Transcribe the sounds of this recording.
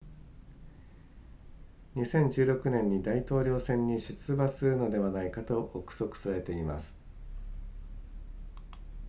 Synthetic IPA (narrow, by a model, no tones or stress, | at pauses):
ɲ̟isẽ̞ɲ̟d͡ʑɨːɾo̞kɯ̟nẽ̞ɲ̟ːid̪ait̪o̞ːɾʲo̞ːsẽ̞ɲ̟ːiɕɨt͡sɨbasɨɾɯ̟no̞d̪e̞βanaikat̪o̞ʔːkɯ̥so̞kɯ̟̥saɾe̞t̪e̞ima̰sɨ̥